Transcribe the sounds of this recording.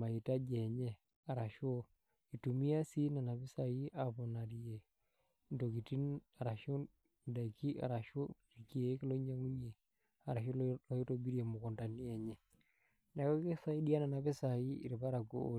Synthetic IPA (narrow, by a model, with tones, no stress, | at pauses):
ma˨i˨ta˦d͡ʒɛ˨ɲe˦ | a˨ɾa˨ʃo˦ | i˨tu˨mi˦a˦si˦na˨na˨βe˦sa˨ji˦ʔa˨βo˨na˨ɾi˨e˨ | ndo˨ki˨ti˦na˨ɾa˨ʃo˦ | da˨i˨ki˦ʔa̰˨ɾa˨ʃo˦ɾi˨ki˨˦e˨˦ki˦lo˦ɲa˦ŋu˦ɲe˨ | a˨ɾa˨ʃo˦lɔ˦ji˦to˦bi˦ɾe˨mo˨ko˨nda˨ni˦ɛ˨ɲe˦ | na˨kɔ˦kke˦sa˦i˦di˦a˦na˨na˨βe˦sa˨i˦ḭ˨ɾi˨βa˦ɾa˨ɡo˦o˦˨